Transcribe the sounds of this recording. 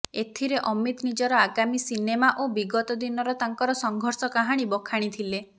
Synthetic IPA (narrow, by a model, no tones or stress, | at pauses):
et̪ʰiɾeʔɔmit̪nid͡ʒɔɾɔaɡamisinemaʔobiɡɔt̪ɔd̪inɔɾɔt̪aŋkɔɾɔsɔŋɡʱɔɾsɔkaɦaɽ̃ibɔkʰaɽ̃it̪ʰile